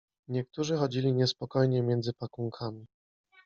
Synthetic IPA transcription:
ɲɛk̚t̪uʐɘxɔd͡ʑilʲiɲɛspɔkɔjɲɛmʲjɛnd̪zɘpakuŋkʰamʲi

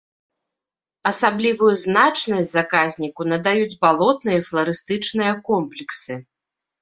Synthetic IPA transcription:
ɐsablʲivujuznat͡ʂnɐsʲt͡sʲzakazʲnʲikunɐd̪ajud͡zʲbalˠɔt̪nɨjɐflˠɐɾɨst̪ɨt͡ʂnɨjɐkɔmplʲiksɨ

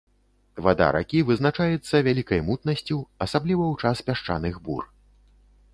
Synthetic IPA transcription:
va̰d̪a̰ɾʔa̰kʲivɨznat͡ʂajɛt̪sːɐvʲalʲikɐjmut̪nɐsʲt͡sʲuɐsablʲivɐwt͡ʂaspʲaʂt͡ʂa̰nɨɣbṵr

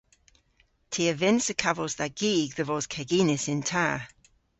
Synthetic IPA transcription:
tʰiːəvɪnsəkʰavəzðaɡ̥iːɡðəvɔːz̥kʰɛɡiːnɪsɪntʰaː

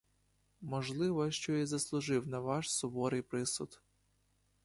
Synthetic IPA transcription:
mɔʒlˠɪʋɔʃt͡ʃɔizɐslˠʊʒɪwnɐʋɑʃsʊbɔɾɪjpɾɪsʊt̪

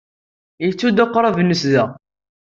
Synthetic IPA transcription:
jət͡sːud̪aqːɾˤavnːəsðæ

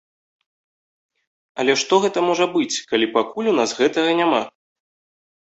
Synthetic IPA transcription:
ɐlʲɛʂt̪ɔɣɛt̪ɐmɔʐɐbɨt͡sʲkalʲipakulʲunasɣɛt̪ɐɣɐnʲama

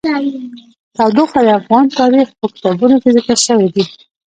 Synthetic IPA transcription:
t̪awd̪uxad̪əafɣɑnt̪ɑɾixpəkɪ̥t̪ɑbunokezəkəɾʃəwid̪i

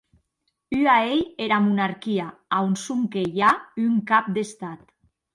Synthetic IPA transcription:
yaejeɾamunaɾkiaaunsuŋkejayŋkap̚d̪est̪at̪

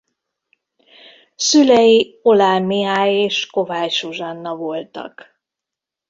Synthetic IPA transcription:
sylɛjio̞laːlmiaːjeːʃko̞vaːjʃuʒɒnːɒvo̞lt̪ɒ̰k

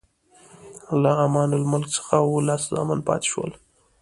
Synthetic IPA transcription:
laamɑnʊlmʊlksə̥xawolɑszɑ̰manpɑ̰t̪e̥ʃwə̰l

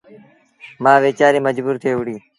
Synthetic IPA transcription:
mãːʋeːt͡ʃaːɾiːməd͡ʒbuːɾt̪ʰeːʋʊɽiː

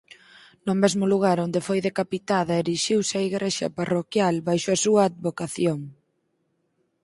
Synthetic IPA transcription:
nʊmezmʊluɣaɾond̪efojðekapit̪aðɐeɾiʃiwsaiɣɾeʃɐ̰parokjalβajʃoɐsuɐːd̪̚βokaθjoŋ

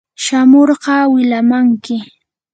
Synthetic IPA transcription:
ʃamoɾɢɑːwɪlamaŋkɪ

